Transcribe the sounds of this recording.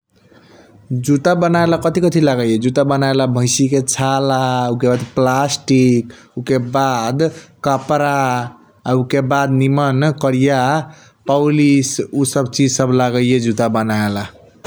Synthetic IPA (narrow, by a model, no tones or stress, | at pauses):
d͡ʒut̪abənaelakət̪ikət̪ʰilaɡəjjed͡ʒut̪abənaelabʱəɪsiket͡ʃʰalaukebad̪plasʈik | ukebad̪kəpɾaː | ukebad̪nimənkəɾija | pəʊlisusəbt͡ʃid͡ʒsəbʱlaɡəjed͡ʒut̪abənaela